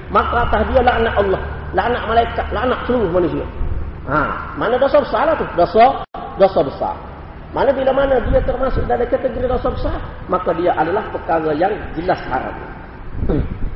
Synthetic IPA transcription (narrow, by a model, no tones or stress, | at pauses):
makat̪ahdialaʔnaʔalːɔh | laʔanaʔmalaikat̪̚laʔnaʔsəluɾʊhmanusia̰a̰manadosɔbəsarlat̪ʊhdosɔ | dosɔbəsa̰r | manabilamanadiat̪ərmasʊk̚dadakət̪əɡɾidosɔbəsar | makadiaʔadalahpəkaɣajaŋd͡ʒəlasha̰ɾa̰p̚n̰